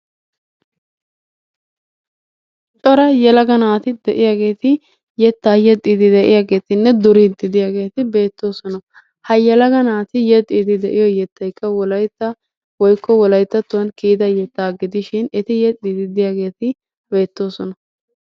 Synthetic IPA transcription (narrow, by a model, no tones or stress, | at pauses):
t͡ʃʼɔɾɐjɛlɐɡɐnaːt̪ɪd̪ɛʔɪjaːɡe̞ːt̪ɪ | jɛt̪ːaːjɛt̪ʼːid̪ɪd̪ɛʔɪjaːɡe̞ːt̪ɪnːɛd̪ʊɾiːt̪ːɪd̪ɪjaːɡe̞ːt̪ɪbe̞ːt̪ːo̞ːsɔnɐ | hɐjɛlɐɡɐnaːt̪ɪjɛt̪ʼːid̪ɪd̪ɛʔɪjɔjɛt̪ːɐjkːɐwɔlɐjt̪ːɐ | wɔjkːɔwɔlɐjt̪ːɐt̪ːʊwɐnkiːd̪ɐjɛt̪ːaːɡɪd̪ɪʃɪnɛt̪ɪjɛt̪ʼːid̪ɪd̪ɪjaːɡe̞ːt̪ɪ | be̞ːt̪ːo̞ːsɔnɐ